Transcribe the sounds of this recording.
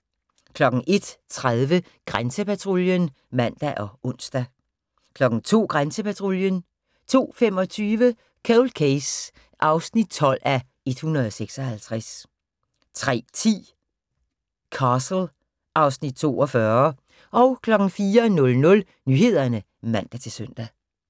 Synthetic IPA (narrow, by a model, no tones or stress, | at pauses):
kʰlɒ̽ɡ̥ŋ̩ʔe̝d̥t͡sʰʁað̞ˠʋə | ɡ̥ʁansəpæt͡sʰʁoljən | mæn̰d̥æʔɒ̽ɔ̽n̰sd̥æ | kʰlɒ̽ɡ̥ŋ̩t͡sʰo̝̰ːɡ̥ʁansəpæt͡sʰʁo̝ljən | t͡sʰo̝̰ːfemɒ̽t͡sʰyːʋə | kʰɛlkʰeɪs | ʔɑ̈ʊsnid̥̚t͡sʰɒ̽l̰æ | e̝d̥hunɐð̞ˠɒ̽seɡ̥sɒ̽hælt͡sʰʁas | t͡sʰʁɛ̰ːt͡sʰḭː | kʰɑ̈ːsl̩ | ʔɑ̈ʊsnid̥̚t͡sʰo̝̰ːɒ̽fɶɐ | ʔɒ̽ʊkʰlɒ̽ɡ̥ŋ̩fiːɐnɔ̽lnɔ̽l | nyːhe̝ð̰ˠɐnə | mæn̰d̥æt͡sʰe̝lsøn̰d̥æ